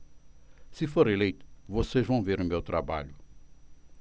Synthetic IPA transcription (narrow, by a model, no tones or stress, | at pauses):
sɪfoɾelejt̪ʊ̥voseʒvɐ̃w̃veɾʊmewt̪ɾaba̰ʎʊ